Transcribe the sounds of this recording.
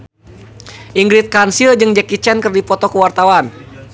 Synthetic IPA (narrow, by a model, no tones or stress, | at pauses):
ʔiŋɡɾit̪̚kansild͡ʒɨŋd͡ʒɛkit͡ʃɛnkərdipɔt̪ɔkuwart̪awan